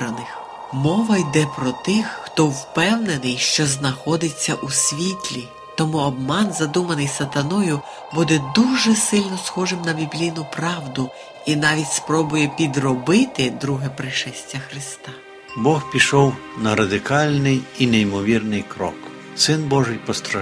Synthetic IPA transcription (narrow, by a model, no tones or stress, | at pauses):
ɾɐnɪx | mɔʋɐjd̪ɛpɾɔt̪ɪxːt̪ɔwpɛwnenɪjʃt͡ʃɔznɐxɔd̪ɪt͡sʲːɐʔusʲʋʲit̪ʲlʲi | t̪ɔmuɔbmɑnzɐd̪umɐnɪjsɐt̪ɐnɔjʊ | bud̪ɛd̪uʒɛsɪlʲnɔsxɔʒɪmnɐbʲiblʲijnʊpɾɑwd̪ʊ | inɑʋʲitʲspɾɔbʊjɛpʲid̪rɔbɪt̪ɪd̪ɾuɦɛpɾɪʃɛsʲtʲːɐxɾɪst̪ɑ | bɔxpʲiʃɔwnɐɾɐd̪ɪkɑlʲnɪjinejmɔʋʲirnɪjkɾɔ̰k | sɪnbɔʒɪjpɔst̪ɾɐ